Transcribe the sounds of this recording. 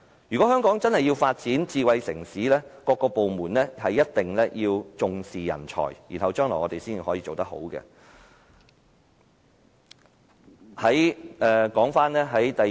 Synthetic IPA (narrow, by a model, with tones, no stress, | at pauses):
jyː˨˩kɔ˨˥œː˥ŋkɔː˨˥ŋt͡sɐ˥nhɐ˨jiː˧wfaː˧t̚t͡siː˨˥nt͡siː˧wɐ˨˧jsɪ˨˩ŋsiː˨˥lɛː˥kɔː˧kːɔː˧po˨wmuː˨˩nlɛː˥hɐ˨jːɐ˥t̚t̪ɪ˨ŋlɛː˥jiː˧wt͡sʊ˨ŋsiː˨jɐ̰˨˩nt͡ʃʰɔ̰ː˨˩jjḭ˨˩nɦɐ˨wt͡ʃœː˥ŋlɔ̰ː˨˩ŋɔː˨˧t̪e˨jsiː˥n˨hɔː˨˥jiː˧˥o˨wt̪ɐ˥k̚ho̰˨˥wɡɛ̰˧ | hɐ˨˥jɛː˨kɔː˨˥ŋfaː˥nlɛː˥ɦɐ˨˥jt̪ɐ˨